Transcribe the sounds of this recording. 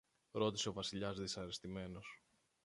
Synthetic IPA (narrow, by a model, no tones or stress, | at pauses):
ɾo̞t̪i̥se̞o̞vɐsiʎɐzðisɐɾest̪ime̞nos